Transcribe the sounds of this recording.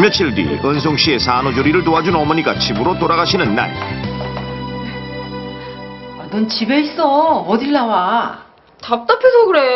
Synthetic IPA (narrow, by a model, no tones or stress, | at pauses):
mjʌt͡ɕʰiɭdḭɯns̬ʰoŋɕ͈ie̞sanod͡ʑoɾiɾɯɭt̬oɦad͡ʑunʌmʌɲiɡat͡ɕibɯɾotoɾaɣaɕʰinɯnːa̰n | anont͡ɕibe̞is͈ʌʌdilːawa | tap̚t͈apʰjosʰʌɡɯɾe̞